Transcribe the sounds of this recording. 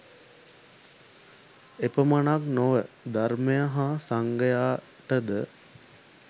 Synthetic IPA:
epəmanaknoʋəd̪aɾmejəɦasaŋɡəjaː | ʈəd̪ə

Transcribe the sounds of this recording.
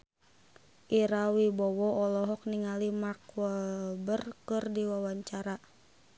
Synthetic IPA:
ʔiɾawibɔwɔɔlɔɦɔk̚niŋalimarkuəbərkɨrdiwawaɲt͡ʃaɾa

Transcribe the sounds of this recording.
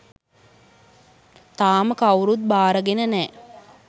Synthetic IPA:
t̪aːməkawɾut̪̚baːɾəɡenənɛː

